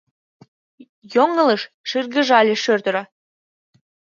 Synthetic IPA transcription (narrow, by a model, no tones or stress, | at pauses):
joŋə̆ləʃ | ʃirɣə̆ʒɑlʲeʃørt̪ə̆ɾɑ